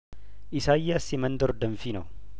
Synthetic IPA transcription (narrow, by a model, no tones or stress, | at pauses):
ʔɪsaːjːɐɐsːɪmɐnd̪ɔɾd̪ɐɱfinɐ